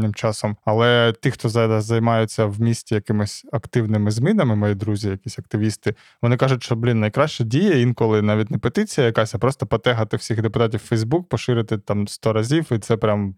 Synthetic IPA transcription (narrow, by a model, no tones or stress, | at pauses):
nʲɪmt͡ʃɑsɔmɐlˠɛt̪ixt̪ɔzɑd̪ɐzɐjmɑjʊt͡sʲːɐwmʲisʲtʲijɐkɪmɪsʲɐkt̪ɪwnɪmɪzmʲinɐmɪmɔjid̪ɾuzʲijɐkʲisʲɐk̚t̪ɪʋʲist̪ɪ | ʋɔnɪkɑʒʊtʲʃt͡ʃɔblʲinnɐjkɾɑʃt͡ʃɛdʲijɛinkɔlˠɪnɑʋʲitʲnɛpet̪ɪt͡sʲijɐjɐkɑsʲɐpɾɔst̪ɔpɔt̪ɛɦɐt̪ɪw̥sʲixd̪epʊt̪ɑt̬ʲiwfɛjzbuk̚pɔʃɪɾɪt̪ɪt̪ɑmst̪ɔɾɐzʲiwit̪sɛpɾʲam